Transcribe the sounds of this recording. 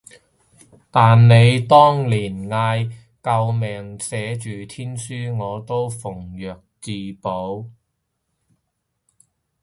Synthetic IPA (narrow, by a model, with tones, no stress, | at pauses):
t̪aː˨nne˨˧jt̪ɔː˥ŋliː˨˩nŋaː˧j | kɐ˧wmɛː˨˩ŋsɛː˨˥t͡ʃyː˨t̪ʰiː˥nsyː˥ŋɔː˨˧t̪o˥wfʊ˨˩ŋjœː˨k̚t͡siː˨po˨˥w